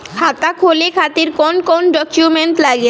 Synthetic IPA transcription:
hʰat̪akʰolekʰat̪iɾkonkonɖɔkjumeɳʈlaɡe

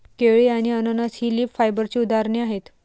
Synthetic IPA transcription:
keɭiaɽ̃iənənashiliːpfajbəɾt͡ɕiːud̪aɾɳiaɦet̪

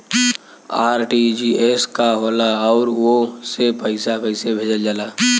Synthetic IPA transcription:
aːɾʈid͡ʒieskaɦolaɔʊɾwosepəɪsakəɪsebʱeːd͡ʒəld͡ʒaːla

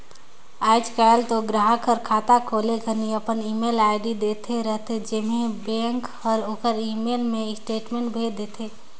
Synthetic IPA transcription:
aːɪd͡ʒkalt̪oɡɾaɦəkʰəɾkʰaːt̪akʰoːleɡʱəniəpəniːmeːlaːɪɖid̪eːt̪ʰeɾəɦt̪ʰed͡ʒɪmẽbẽːŋkɔːɾoːkəɾiːmeːlmẽɪsʈeːʈmẽːɳʈbʱed̪eːt̪ʰeː

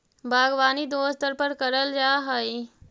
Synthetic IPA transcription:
bʱaːɡʋaːnid̪oːst̪əɾpəɾkɐɾəld͡ʒaːɦəi

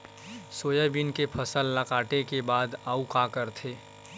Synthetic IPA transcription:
soːjəbinkepʰəsəlːəkaːʈekebaːd̪aːukakəɾt̪ʰeː

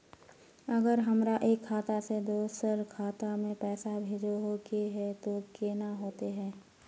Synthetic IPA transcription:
ɐɡəɾɦɐmɾaʔeːkʰːaːt̪ased̪oːsəɾkʰaːt̪amẽpɛːsabʱed͡ʒoɦokeɦɛt̪okeːnaɦoːt̪eɦɛ̃ː

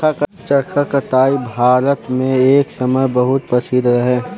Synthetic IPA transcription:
akt͡ʃɐɾkʰakət̪aːibʱaːɾət̪mẽeːksɐməjbɐɦʊt̪̚pɐsid̪ɾɐɦɛ̃ː

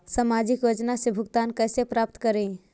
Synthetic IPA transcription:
samad͡ʒikjod͡ʒnasẽbʱuɡt̪ankəsepɾap̚t̪kəɾẽ

